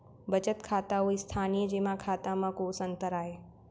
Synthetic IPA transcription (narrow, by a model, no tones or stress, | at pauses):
bət͡ʃət̪kʰaːt̪auist̪ʰaːnijəd͡ʒeːmãkʰaːt̪amãkoːsə̃nt̪əɾaːɦeː